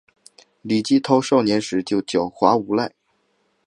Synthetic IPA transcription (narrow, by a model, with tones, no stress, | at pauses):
li˨˩t͡ɕi˥t̪ʰo˥ʊʂo˥˩ʊnjɛ˧˥nʂɻ̩˧˥t͡ɕjo˥˩ʊt͡ɕjo˨˩ʊxwa˧˥u˧˥la˥˩ɪ